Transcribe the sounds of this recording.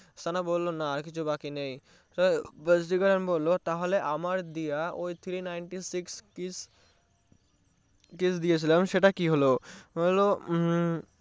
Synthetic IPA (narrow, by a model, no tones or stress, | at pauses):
sanabolːonaaɾkit͡ɕʰubakinej | t̪ɔjbəsɖiɡaɾanbolːot̪aɦoleʔamaɾd̪ijaojt̪ʰɾinajɳʈisikskis | kisd̪ijet͡ɕʰilamʃeʈakiɦoloɦojlo